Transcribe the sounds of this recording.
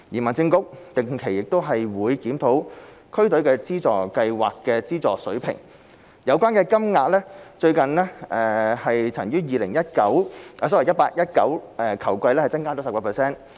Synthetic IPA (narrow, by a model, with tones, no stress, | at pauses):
jiː˨˩mɐ˨nt͡sɪ˧ŋkʊ˥k̚t̪ɪ˨˩ŋkʰe˨˩jɪ˨k̚t̪o˥wɦɐ˨jwuː˨˧jkiː˨˥mt̪ʰo˨˥w | kʰɵ˥ɥt̪ɵ˨˥ɥkɛː˧t͡siː˥t͡sɔː˨˩kɐ˧jwa̰ː˨kːɛː˧t͡siː˥t͡sɔː˨sɵ˨˥ɥpʰɪ̰˨˩ŋ | jɐ˨˧wkʷwaː˥nkɛː˧kɐ˥mŋaː˧t̚lɛː˥t͡ʃɵ˧ɥkɐ˨nlɛː˥ɛː˨˧hɐ˨jt͡sʰɐ˨˩ŋjyː˥jiː˨lɪ˨˩ŋjɐ˥t̚kɐ˨˥wʔsɔ˥wjɐ˥t̚paː˧k̚jɐ˥t̚kɐ̰˨˥wɛ˨˧kʰɐ˨˩wkʷɐ˧jlɛː˥hɐ˨jt͡sɐ˥ŋkaː˥˩t͡sɔ˨˥sɐ˨p̚kɔː˧pɛː˨sɛː˥n